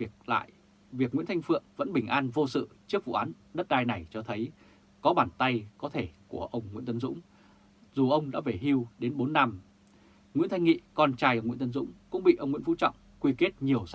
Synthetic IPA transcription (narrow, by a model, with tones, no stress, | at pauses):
k̚la̰ː˧˨j | vi˨˩ək̚ŋwḭ˧˥nt̪ʰa˧ŋ̟fɨ̰˧˨əŋvə̰˧˥nɓï˨˩ŋ̟ʔaː˧nvo˧sɨ̰˧˨t͡ɕɨ˦˥ək̚vṵ˧˨ʔaː˨˦n | ɗə˦˥t̚ɗaː˧jna˨˩jt͡ɕɔ˧t̪ʰə˨˦j | kɔ˨˦ɓaː˧˩nt̪a˧jkɔ˨˦t̪ʰe˧˩ku˧˩əʔə˧wŋ͡mŋwḭ˧˥nt̪ə˨˦nzʊ̰˧˥ŋ͡m | zu˨˩ʔə˧wŋ͡mɗa̰ː˧˥ve˨˩ɦi˧wɗe˨˦nɓo˨˦nːa˧m | ŋwi˧˥nt̪ʰa˧jŋḭ˧˨kɔ˧nt͡ɕaː˧jʔə˧wŋ͡mwḭ˧˥nt̪ə˨˦nzʊ̰˧˥ŋ͡mkʊ̰˧˥ŋ͡mɓḭ˧˨ʔə˧wŋ͡mŋḭ˧˥ənfṵ˧˥t͡ɕɔ̰˧˨wŋ͡mkwi˧ke˦˥t̚ɲi˨˩əws